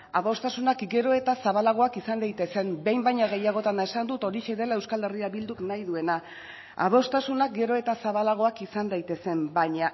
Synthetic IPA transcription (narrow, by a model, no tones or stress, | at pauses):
aβo̞st̪asunakɡe̞ɾo̞e̞t̪asaβalaɣ̞o̞akisand̪ajt̪e̞se̞mbe̞jmbajɲaɣe̞jaɣ̞o̞t̪anae̞sand̪ut̪o̞ɾiʃe̞ðe̞laewskale̞riaβild̪uknajðue̞na | a̰β̞o̞st̪asunak̚ɡe̞ɾo̞e̞t̪asaβalaɣ̞o̞akisand̪ajt̪e̞se̞mbajɲa